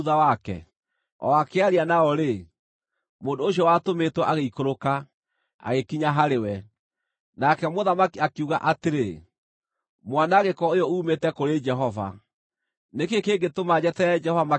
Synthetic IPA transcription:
ðawakɛ̰ | ɔ̰akeaɾianaɔɾe | moːndoːɕ̬iɔwatometwɛʔaɣeikoɾoka | a̰ɣekiɲaɦaɾewɛ | nakɛmoðamakiakiuɣa̰ʔateɾe | mwanaɣekɔojɔuːmetɛkoɾed͡ʒɛɦɔva̰ | nekekeːɡetomad͡ʑɛtɛd͡ʒɛhɔvama

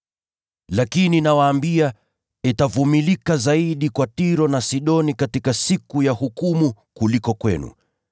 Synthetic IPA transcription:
lakininawaːmbia | ɛtavumilikazaiɗikwatiɾɔnasiɗɔnikatikasikujahukumu | kulikɔkwɛ̰nṵ

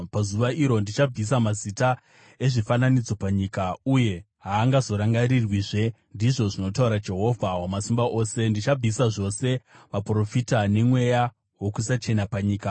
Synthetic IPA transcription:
pazuʋaʔiɾo̞ndit͡ʃab͡vis̬amazita | e̞ʐifananid͡zo̞paɲiːkauje̞ | ɦaːŋɡazo̞ɾaŋɡaɾirwiʐe̞ | ndiʐo̞ʐino̞tauɾad͡ʒe̞ɦo̞vʱawamasimbaʔo̞ːse̞ndit͡ʃab͡visaʐo̞se̞ʋapro̞fitane̞mwe̞ja | wo̞kusat͡ʃe̞napaɲiːka

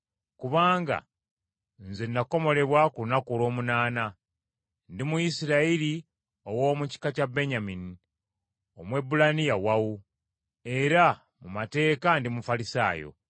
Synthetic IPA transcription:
kuβaːŋɡa̰ | nzenːako̞mo̞le̞βwakulunakulo̞ːmunaːna | ndimujisiɾaiɾi | o̞woːmuci̥kacabe̞ɲamini | omwe̞bːulanijawawu | e̞ɾa | mumate̞ːkandimufalisa̰ːjo̰

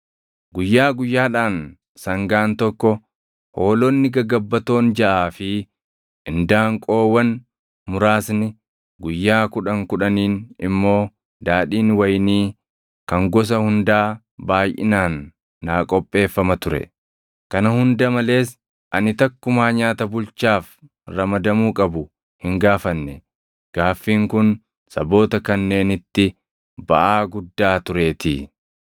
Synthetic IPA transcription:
ɡʊjːaːɡʊjːaːᶑaːn | sɐŋɡaːnt̪ɔkːɔ | ho̞ːlɔnːɪɡɐɡɐbːɐt̪o̞ːnd͡ʒɐʔaːfɪ | ɪnd̪aːŋkʼo̞ːwɐn | mʊɾaːsnɪ | ɡʊjːaːkʊᶑɐŋkʊᶑɐniːnɪmːo̞ː | d̪aːᶑiːnwɐjniː | kɐŋɡɔs̬ɐhʊnd̪aː | baːjʔɪnaːnː | aːkʼɔpʼːe̞ːfːɐmɐt̪ʊɾɛ̰ | kɐnɐhʊnd̪ɐmɐle̞ːs | ʔɐnɪt̪ɐkːʊmaːɲaːt̪ɐbʊlt͡ʃaːf | ɾɐmɐd̪ɐmuːkʼɐbʊ | hɪŋɡaːfɐnːɛ | ɡ̥aːfːiːŋkʊn | sɐbo̞ːt̪ɐkɐnːe̞ːnɪt̪ːɪ | bɐ̰ʔaːɡʊd̪ːaːt̪ʊɾe̞ːt̪ḭː

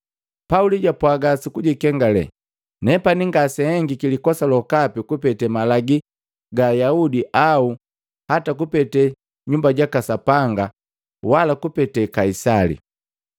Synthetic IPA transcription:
pauliɟapwaɡasikuɟikɛŋɡalɛ̰ | nɛpaniŋɡasɛhɛŋɡikilikɔsalɔkapikupɛtɛmalaɡi | ɡajaudiʔau | hatakupɛtɛ | ɲumbaɟakasapaŋɡa | walakupɛtɛkaisalḭ

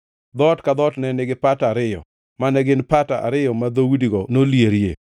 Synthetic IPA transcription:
d̪ɔtkad̪ɔtnɛnɪɡɪpatːɾɪjɔ̰ | manɛɡɪnpata̰ʔa̰ɾɪjɔmad̪owidiɡɔnoljeɾje

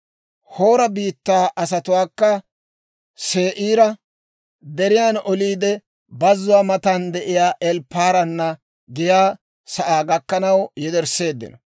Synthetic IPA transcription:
ho̞ːɾɐbiːt̪ːaːʔɐsɐt̪ʊwaːkːɐ | se̞ːʔiːɾɐ | d̪ɛɾɪjaːnɔliːd̪ɛ | bɐzːʊwaːmɐt̪ɐnd̪ɛʔɪjaːʔɛlpːaːɾɐnːɐ | ɡɪjaː | sɐʔaːɡɐkːɐnɐwjɛd̪ɛɾse̞ːd̪ːɪ̰nɐ

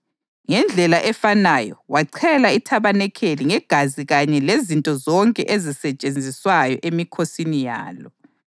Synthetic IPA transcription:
ŋɛnd͡ɮʱɛlaʔɛfanajɔ̰waǀʰɛlaitʰaβanɛkʰeliŋɛɡ̥ʱaziɣaɲɛlezintʼɔzɔŋkʼɛ̰ʔezisɛt͡ʃʼend͡zʱiswajɔ̰ʔemikʰosinija̰ːlɔ

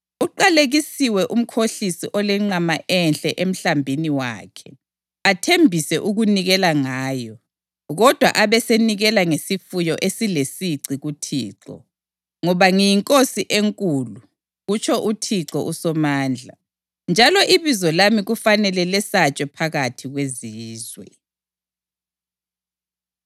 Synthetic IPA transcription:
uǃaleɣisiwɛʔum̩kʰoɬisiʔɔlɛŋ͡ǀamaʔɛnɬʼɛʔem̩ɬambʱiniwa̰ːkʰɛ | atʰembʱisɛʔuɣuniɣɛlaŋaːjɔ | ɣɔd̥ʱwa̰ʔaβɛseniɣɛlaŋesifujɔʔesilesiǀiɣutʰḭːǀɔ̰ | ŋɔβaŋijiŋkʼosiʔeŋkʼulu | ɣut͡ʃʰɔʔutʰiǁɔʔusɔmaːnd͡ɮʱa̰ | nd͡ʒʱalɔʔiβizɔlamiɣufanɛlɛlɛsat͡ʃʼɛpʰaɣatʰiɣweziːzwɛ̰

